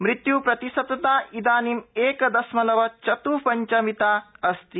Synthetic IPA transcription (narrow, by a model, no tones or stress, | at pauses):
mɾit̪jupɾɐt̪isɐt̪ɐt̪aːʔid̪aːnimeːkɐd̪ɐsmɐlɐʋɐt͡ʃɐt̪upɐɲt͡ʃɐmit̪aːɐst̪i